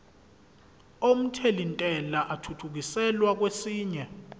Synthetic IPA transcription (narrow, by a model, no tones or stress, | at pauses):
om̩tʰelintʼɛlaʔatʰutʰuk̬isɛlwak̬wesiːɲɛ